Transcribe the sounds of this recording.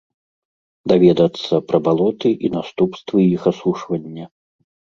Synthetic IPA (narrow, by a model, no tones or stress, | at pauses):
d̪avʲɛd̪ɐt̪sːɐpɾɐbalˠɔt̪ɨʔinast̪upst̪vɨixasuʂvɐnʲːɐ